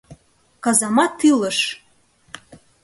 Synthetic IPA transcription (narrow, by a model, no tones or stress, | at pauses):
kɑzɑmɑt̪ʰːɨləʃ